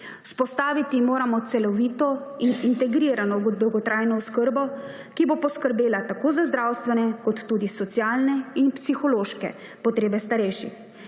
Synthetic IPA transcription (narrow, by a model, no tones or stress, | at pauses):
spɔst̪aːʋit̪imoːɾamɔt̪sɛlɔʋiːt̪ɔinint̪ɛɡɾiːɾanɔd̪ɔwɡɔt̪ɾaːjnɔɔskəɾbɔ | kibopɔskəɾbeːlat̪akoːzazd̪ɾawst̪ʋɛnɛkɔt̪ːuːd̪isɔt̪sjaːlnɛinpsixɔloːʃkɛ̰ | pɔt̪ɾeːbɛst̪aɾɛjʃḭ